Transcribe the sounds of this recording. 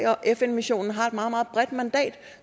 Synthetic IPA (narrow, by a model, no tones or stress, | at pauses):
ɪɒ̽ʔefenmiɕo̝̰ːnn̩ɦɑ̈e̝d̥mɑ̈ð̩ˠmɑð̩ˠb̥ʁɛd̥mænd̥ɛ̰ːd̥